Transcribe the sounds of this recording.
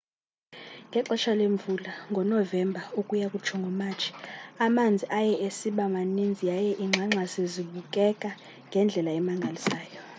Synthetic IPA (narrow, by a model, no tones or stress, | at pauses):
ŋɡʱɛǃɔt͡ʃʰaleɱvulaŋɡʱɔnɔvɛmbʱaukʼujakʼut͡ʃʰɔŋɡʱɔmaːt͡ʃʰi̥amand͡zʱiʔajɛʔesiɓamanind͡zʱijajɛʔiŋ͡ǁʱaŋ͡ǁʱaseziɓukʼɛkʼa | ŋɡʱɛnd͡ɮʱɛlaɛmaŋɡʱalisaːjɔ